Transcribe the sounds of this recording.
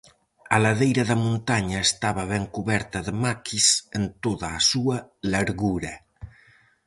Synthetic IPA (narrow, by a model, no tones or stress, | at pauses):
alaðejɾɐðɐmũnt̪aɲaest̪aβɐβɛŋkuβɛɾt̪ɐðəmakʰisent̪oðaːsuɐlaɾɣuɾɐ